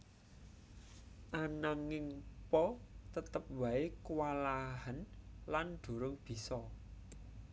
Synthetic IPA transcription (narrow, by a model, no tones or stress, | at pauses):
ʔanaŋɪŋpɔt̪ət̪əp̚waekəwalaɦənlanɖ̪̥o̤ɾʊŋb̥i̤sɔ